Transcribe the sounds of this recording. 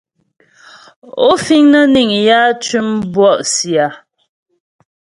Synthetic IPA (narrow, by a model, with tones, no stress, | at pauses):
o˦fi˦ŋnə˦ni˨ŋja˦t͡ʃʉ˦mbwɔ˦ʔsja˨